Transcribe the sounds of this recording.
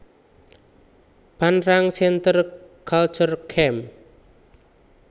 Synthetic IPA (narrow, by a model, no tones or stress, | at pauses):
b̥anraŋsɛnt̪ərkʰal̥t͡ʃərkʰɛm